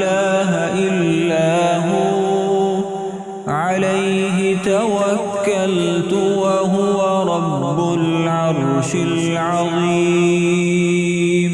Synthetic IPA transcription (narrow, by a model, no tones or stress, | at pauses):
laːɦaʔɪlːaːɦʊ | ʕalajɦɪt̪awakːalt̪ʊwaɦʊwaɾˤɑbːʊlʕɑɾˤʃɪll | ʕɑðˤiː | mm